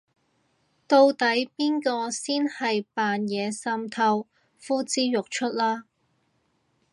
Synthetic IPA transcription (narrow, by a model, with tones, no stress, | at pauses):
t̪o˧wt̪ɐ˨˥jpiː˥nkɔː˧siː˥nhɐ˨jpaː˨njɛː˨˧sɐ˧˥mt̪ʰɐ˧w | fuː˥t͡siː˥jʊ˨k̚t͡ʃʰɵ˥t̚laː˥